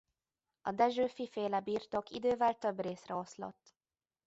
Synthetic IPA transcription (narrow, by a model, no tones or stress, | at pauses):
ɒd̪ɛʒøːfifeːlɛbiːrt̪o̞kḭd̪øːvɛlt̪øbreːsrɛoslo̰t̪ː